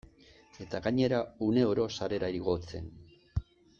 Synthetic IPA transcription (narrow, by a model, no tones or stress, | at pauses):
e̞t̪aɣaɲe̞ɾaune̞oɾo̞saɾe̞ɾaiɾiɣo̞t͡se̞̰n